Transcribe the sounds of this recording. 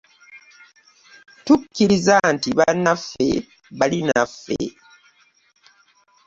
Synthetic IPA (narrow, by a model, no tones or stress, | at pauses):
tukʲːiɾizantiβanafːe̞̰ | βalinafːḛ